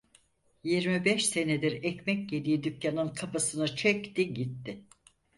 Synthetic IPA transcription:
jiɾmibɛʃse̞ned̪iɾɛcmɛc̚ɟed̪ʲijid̪ycjanɯnkʰapasɯnat͡ʃʰɛct̪iɟit̪ːɪ

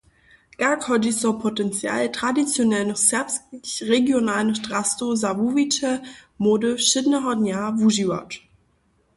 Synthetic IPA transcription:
ɡ̥akʰhɔd͡ʒisɔpʰotɛnt͡sja̰ːltʁ̥adit͡sjonɛlnɔχsɛɐpskçʁeɡjonaːlənɔʃtʁastozavuvit͡ʃəmoːdəʃɪdnəɦɔnjavuʒiva̰t

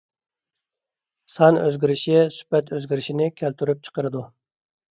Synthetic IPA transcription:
sɑnøzɡʲiɾɪʃisy̥pɛt̪øzɡʲiɾɪʃinɪkʲʰælt̪ʰyɾyp̚t͡ʃʰə̥qəɾɨd̪u

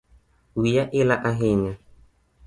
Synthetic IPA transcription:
wijaʔilaʔaɦeɲa

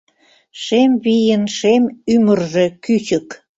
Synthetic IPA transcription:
ʃemβijənʃemymərʒe̽kyt͡ɕək

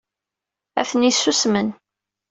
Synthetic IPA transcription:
æ̰θənisːusmən

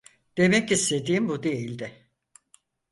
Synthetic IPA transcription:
d̪̥e̞mɛcist̪e̞d̪iːmbud̪ejilʲd̪ɪ

